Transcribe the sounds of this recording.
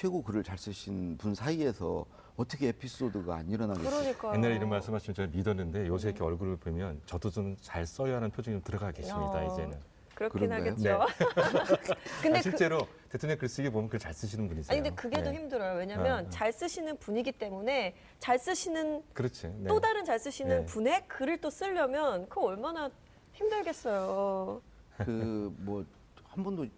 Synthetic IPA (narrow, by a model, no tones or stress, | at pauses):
t͡ɕʰweɡokɯɾɯɭt͡ɕaɭs͈ɯɕʰinpunsʰaie̞sʰʌ̰ | ʌt͈ʰʌkʰeepʰis͈odɯɡa̰a̰ɲiɾʌnaɡɯɾʌɲik͈aje̞nːaɾeiɾʌnmaɭs͈ɯmɦaɕʰimɯt͡ɕemidʌnːɯnde̞jos̬ʰekʰeʌɭɡuɾɯɭpomjʌnt͡ɕʌdod͡ʑomt͡ɕaɭs͈ʌjʌɦaɾanpʰjod͡ʑuŋit͡ɕomtɯɾʌɡaɡe̞ɕimɲida̰id͡ʑe̞̰nɯn | kɯɾʌkɯkenaɡet͡ɕneo | kɯndeɕʰiɭt͡ɕ͈e̞ɾo | tetʰoŋɲjʌŋkɯɾes͈ɯiɡiebomjʌkɯet͡ɕaɭs͈ɯɕʰinɯnpuɲisaɲindekɯɡe̞doçimdɯɾʌjowe̞ɲamjʌnt͡ɕaɭs͈ɯɕʰinɯnpuɲiɡit͈e̞mune̞ | t͡ɕaɭs͈ɯɕʰinɯnkɯɾʌt͡ɕʰineodaɾɯnt͡ɕaɭs͈ɯɕʰinɯnpunɦe̞kɯɾɯɭt͈os͈ɯʎːʌmjʌnkɯʌɭmana | çimdɯɭɡe̞s͈ʌjo | kɯmwʌ | hambʌndo